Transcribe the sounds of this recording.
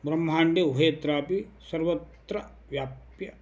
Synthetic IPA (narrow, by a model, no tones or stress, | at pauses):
bɾɐm̤ːaːɳɖeubʱeːt̪ɾaːpisɐɾʋɐt̪ɾɐ | ʋjaːp | jɐ